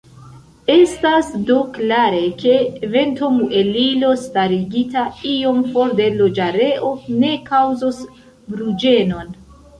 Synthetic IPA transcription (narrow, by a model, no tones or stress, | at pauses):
e̞stasdoklaɾe̞ke̞ve̞ntoŋue̞lilo̞staɾiɡitaio̞mfo̞ɾde̞lod͡ʒaɾe̞ʔo̞ne̞kawzos | bɾud͡ʒe̞no̞n